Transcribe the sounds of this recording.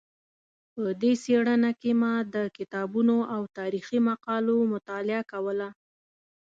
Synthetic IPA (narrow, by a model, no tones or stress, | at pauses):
pəd̪eseɽənakemad̪əkɪt̪ɑbunoʔawt̪ɑɾiximaqɑlomʊt̪ɑlɪakawəla